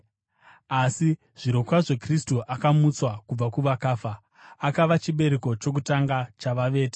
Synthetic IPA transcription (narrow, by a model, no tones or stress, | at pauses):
asi | ʐ̥iɾo̞kwaʐe̞kristuʔakamut͡swakub͡vakuʋakaːfa | akaʋat͡ʃiɓe̞ɾeko̞t͡ʃo̞k̬utaŋɡat͡ʃaʋaʋe̞ːte̥